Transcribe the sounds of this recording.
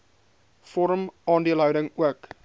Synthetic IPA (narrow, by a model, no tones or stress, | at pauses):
fɔɾəmɑːndiəlˠɦœwdəŋuək